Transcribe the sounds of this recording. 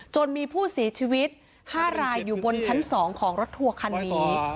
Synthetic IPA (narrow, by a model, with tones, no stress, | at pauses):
t͡ɕo˧nmiː˧pʰuː˥˩si˩˦t͡ɕʰiː˧wi˦˥t̪̚ | haː˥˩ɾaː˧jːuː˨˩bo˧nt͡ɕʰa˦˥nsɔː˩˦ŋkʰɔː˩˦ŋɾo˦˥t̪ʰːu˧ɐkʰa˧nːiː˦˥